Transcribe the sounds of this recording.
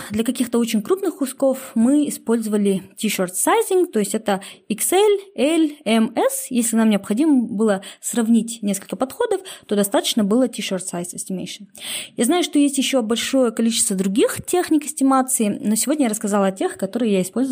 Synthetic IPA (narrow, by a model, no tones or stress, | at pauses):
d̪lʲɐkɐkʲixt̪əo̞t͡ɕɪnʲkɾupnɨxkʊsko̞fmɨɪspo̞lʲzəvəlʲɪtʲiʂort̪sajzʲɪŋɡt̪o̞jɪsʲtʲɛt̪əiksɛlʲɛlʲɛmɛsjesʲlʲɪnamnʲɪɐpxɐdʲiməbɨlˠəsrɐvnʲitʲnʲeskəlʲkəpɐt̪xo̞d̪əft̪o̞d̪ɐst̪at̪ə̥t͡ɕnəbɨlˠətʲiʂort̪sajsɐsʲtʲɪmʲḛjʂɨnjaznajʊʂt̪o̞jesʲtʲjɪɕːo̞bɐlʲʂo̞jəkɐlʲit͡ɕɪst̪vəd̪ɾʊɡʲixtʲexnʲɪkɪsʲtʲɪmat̪sɨɪno̞sʲɪvodnʲəjaɾəskɐzalˠɐtʲe̞xkɐt̪o̞ɾɨjəjaɪspolʲzə